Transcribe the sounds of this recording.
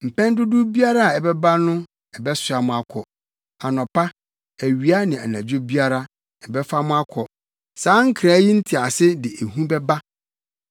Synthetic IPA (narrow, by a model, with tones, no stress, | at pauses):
m̩˨pʰɛ̃˦n˦dʊ˦dʊ˦bi˦a˦ɾa˦a˨ɛ˨bɛ˦ba˦nʊ̃˦ | ɛ˨bɛ˦sʊ˨a˨mʊ̃˦a˦kʰɔ˨ | a˨nɔ̃˨pʰa˦ | æ˨ɥi˨˦a˦nɪ̃˨a˨næ̃˨d͡ʑᶣʊ˦bi˦a˦ɾa˦ | ɛ˨bɛ˦fa˦mʊ̃˦a˦kʰɔ˨ | sãː˨˦ŋ̩˦kʰɾa˨˦ji˦n̩˦tʰi˨a˨sɪ˦dɪ˨ʔe˨ɦũ˦bɛ˦ba˦